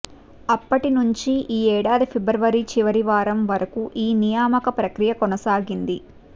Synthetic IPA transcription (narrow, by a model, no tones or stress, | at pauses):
ɐpːɐʈinuɲt͡ʃiʔiːɛːɽaːd̪ipʰibɾɐʋɐɾit͡ʃiʋɐɾiʋaːɾɐmʋɐɾɐkuʔiːnijaːmɐkɐpɾɐkɾijɐkɔnɐsaːɡind̪i